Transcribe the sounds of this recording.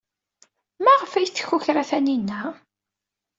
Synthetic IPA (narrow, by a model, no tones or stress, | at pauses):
mæʁfæjt͡sːçuçɾæθæninːæ